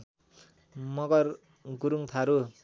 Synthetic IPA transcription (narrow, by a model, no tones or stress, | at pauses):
mʌɡʌr | ɡuɾuŋt̪ʰaɾu